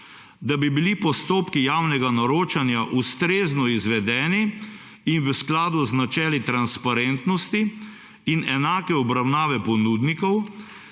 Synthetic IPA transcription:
d̪abibilipɔst̪oːpkijaːwnɛɡanɔɾoːt͡ʃanjaʔust̪ɾeːznɔizʋɛd̪ɛːniː | nʋəsklaːd̪uznat͡ʃɛːlit̪ɾanspaɾent̪nɔst̪iː | nɛnaːkɛɔbɾawnaːʋɛpɔnuːd̪nikɔw

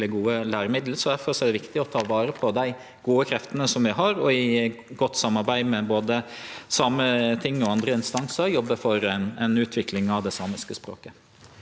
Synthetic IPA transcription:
lɪɡuːəlæːɾəmɪd̪l̩sɔd̪æɾfɔɾʂɔæɖ̪ɛʋɪkt̪ɪɔt̪ʰɑːʋɑːɾəpʰɔd̪æɪ | ɡ̥uːəkʰɾɛft̪ənəsɔmʋɪɦɑɾɔɪ | ɡɔt̪ːsɑmːɑɾbæɪmɛboːd̪əsɑːmət̪ʰɪŋːɔɑnd̪ɾəɪnst̪ɑŋsəɾjɔbːəfɔɾɛnɛnʉːt̪ʰʋɪklɪŋɑʋd̪ɛsɑːmɪskəspɾo̰ːkə

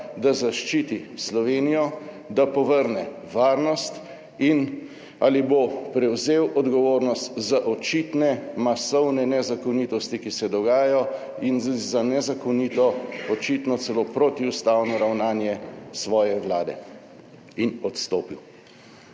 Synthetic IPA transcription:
d̪azaʃt͡ʃiːt̪islɔʋeːnijɔ | d̪apɔʋəɾnɛ | ʋaːɾnɔst̪ | in | a̰libopɾɛwzewʔɔd̪ɡɔʋoːɾnɔst̪zaʔɔt͡ʃit̪nɛmasɔwnɛnɛzakɔniːt̪ɔst̪ikisɛd̪ɔɡaːjajɔ | inzanɛzakɔniːt̪ɔɔt͡ʃit̪nɔt̪sɛlopɾot̪iust̪awnɔɾawnaːnjɛsʋɔːjɛwlaːd̪ɛ̰ | inɔt̪st̪oːpiw

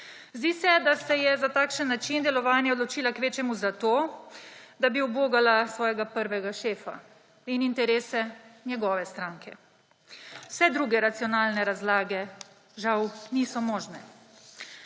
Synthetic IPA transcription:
zd̪iːsɛd̪asɛjɛzat̪aːkʃənːat͡ʃind̪ɛlɔʋaːnjaɔd̪lɔt͡ʃiːlakʋeːt͡ʃɛmuzat̪oː | d̪abiuboːɡalasʋɔːjɛɡapəɾʋɛɡaʃeːfa̰ | inint̪ɛɾeːsɛnjɛɡɔːʋɛst̪ɾaːŋkʰɛ | wsɛd̪ɾuːɡɛɾat̪siɔnaːlnɛɾazlaːɡɛ | ʒawniːsɔmɔːʒnɛ

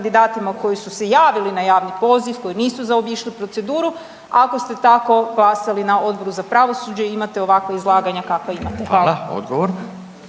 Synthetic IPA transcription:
d̪id̪aːt̪imako̞jisuse̞jaːʋilinajaːʋnipo̞ːziʋko̞jiniːsuzaobiːʃlipɾo̞t̪se̞d̪uːɾu | ako̞st̪e̞t̪ako̞ɡlˠasalinao̞d̪̚bo̞ɾuzapɾaʋo̞sud͡ʑeimat̪e̞o̞ʋakʋaizlˠaːɡaɲakakʋaimat̪exaːlao̰d̪ɡoʋoɾ

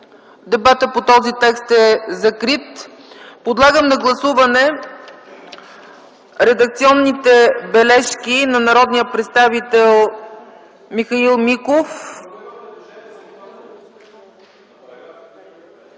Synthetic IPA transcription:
d̪ɛbat̪əpot̪ɔzit̪ɛkst̪ɛzɐkɾit̪ | pod̪lˠaɡəmnɐɡlˠɐsuvɐnɛ | ɾɛd̪ɐk̚t̪siɔnːit̪ɛbɛlɛʃkinɐnɐɾɔd̪nijəpɾɛt̪st̪avit̪ɛlˠ | mixɐilˠmikof

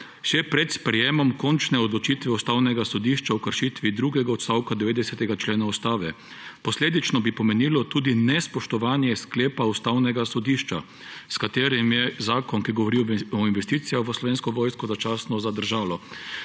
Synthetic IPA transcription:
ʃɛpɾɛt̪spɾɛjeːmɔmkɔnt͡ʃnɛɔd̪lɔt͡ʃit̪ʋɛust̪aːwnɛɡasɔd̪iːʃt͡ʃawkəɾʃit̪ʋid̪ɾuːɡɛɡaɔt̪st̪awkad̪ɛʋeːd̪ɛsɛt̪ɛɡat͡ʃleːnaust̪aːʋɛ | pɔsleːd̪it͡ʃnɔbipɔmɛniːlɔt̪uːd̪inɛspɔʃt̪ɔʋaːnjɛskleːpaust̪aːwnɛɡasɔd̪iːʃt͡ʃa | skat̪eːɾimjɛzaːkɔnkiɡɔʋɔɾiɔinʋɛst̪iːt̪sijaxʋəslɔʋeːnskɔʋɔːjskɔzat͡ʃaːsnɔzad̪əɾʒaːlɔ

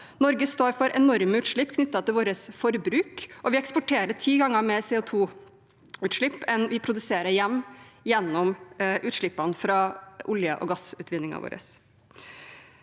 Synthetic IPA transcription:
nɔɾɡəst̪oːɾfɔɾʔɛnɔɾməʉːt̪ʂɭɪpːkʰnʏt̪ːɑt̪ɪlʋoːɾəsfɔɾbɾʉːkʔɔʋɪɛkspʊʈʰeːɾəʈʰiːɡɑŋːəɾmɛsɛːʊt̪ʰuː | ʉːt̪ʂɭɪpːɛnʋɪpʰɾʊd̪ʉseːɾəjɛmːjɛnːɔmʔʉːt̪ʂɭɪpːɑnfɾɑʔʊljəʔɔ̰ɡɑsʉːt̪ʰʋɪnːɪŋɑ̰ʋo̰ːɾə̰s

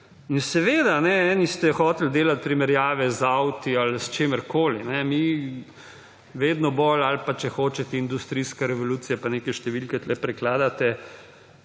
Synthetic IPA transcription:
insɛʋeːd̪anɛɛːnist̪ɛxɔːt̪ɛld̪eːlat̪̚pɾimɛɾjaːʋɛzawt̪ialst͡ʃeːmɛɾkʰoːlinɛmi | ʋeːd̪nɔbolalpat͡ʃɛxoːt͡ʃɛt̪ɛind̪ust̪ɾiːskaɾɛʋɔluːt̪sijɛpaneːkɛʃt̪ɛʋilkɛt̪lɛpɾɛklaːd̪at̪ɛ

